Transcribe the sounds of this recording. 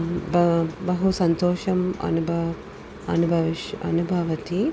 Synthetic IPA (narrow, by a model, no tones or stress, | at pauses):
bɐbɐɦusɐnt̪oːʃɐmɐ̰nubʱa | ɐ̰nubʱɐʋiʃɐ̰nubʱaʋɐt̪i